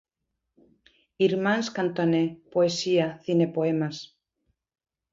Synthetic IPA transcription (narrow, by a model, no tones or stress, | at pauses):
iɾmãnskant̪onepoesiaθinepoemas